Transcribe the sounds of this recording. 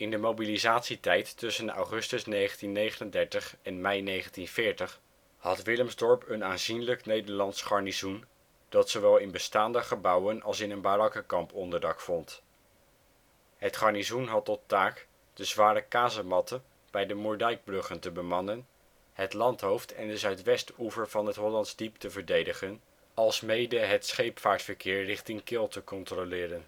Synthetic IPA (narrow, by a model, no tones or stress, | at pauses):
ɪndəmowbilizaːtsitɛjtːɵsəna̰wχɵstəsnejχəntinːejχənəndɛɹtəχɛnmɛjnejχəntinv̥ɪːɹtəχ | hɑtʋɪləmzdɔɹpənaːnzinləknejdəɹlɑntsχɑɹnizun | d̥ɑtsoʋɛlˠɪnbəstaːndəχəbɑwənɑlˠsɪnənbarɑkəkɑmpɔndəɹdɑkfɔnt | ɦətχɑɹnizunɦɑtɔtaːk | d̥əzʋaːɾəkaːzəmɑtə | b̥ɛjdəmɔɹdɛjɡ̚brɵχəntəbəmɑnən | ɦətlɑntɦowftʰɛndəzœɥtʋɛstuvəɹv̥ɑnɦətɦɔlɑntzdiptəvəɹdejdəχən | ɑlˠsmejdəɦətsχejpfaːɹtfəɹkɪːɹrɪχtɪŋkɪlˠtəkɔntrolɪːɾən